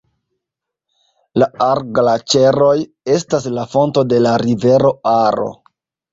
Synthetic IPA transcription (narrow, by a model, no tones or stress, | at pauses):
laaɾɡlat͡ʃe̞ɾo̞j | e̞staslafo̞nto̞de̞laɾive̞ɾo̞aɾo̞̰